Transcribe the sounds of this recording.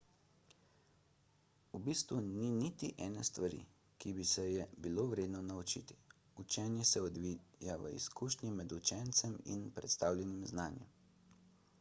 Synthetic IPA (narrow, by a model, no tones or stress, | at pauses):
ubist̪ʋuninit̪iʔɛːnɛst̪ʋaɾḭ | kibisɛjɛbiloʋɾeːd̪nɔnaut͡ʃḭt̪i̥ | ut͡ʃɛːnjɛsɛɔd̪ʋijaʋə̰ḭskuːʃnʲimɛd̪ut͡ʃɛnt̪sɛmḭnpɾɛt̪st̪aːwlʲɛnimznaːnjɛ̰m